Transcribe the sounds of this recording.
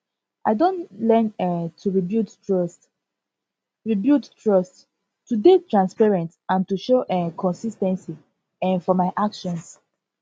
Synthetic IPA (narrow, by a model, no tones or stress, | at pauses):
ʔaɪdõntlɛnɛtʰuɹibjut | ɹs | ɹibjuttɹɔst | tudetɹãnspɛɹɛ̃ntãntuʃoʔɛkʰɔ̃nsistɛ̃nsi | ɛ̃fɔmaɪʔakʃɔ̃ns